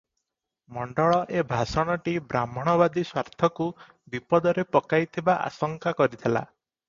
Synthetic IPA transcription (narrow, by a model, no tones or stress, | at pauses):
mɔɳɖɔɭɔʔebʱasɔɽ̃ɔʈibɾamɔɽ̃ɔbad̪iswaɾt̪ʰɔku | bipɔd̪ɔɾepɔkajt̪ʰibaʔa̰sɔŋkakɔɾit̪ʰela̰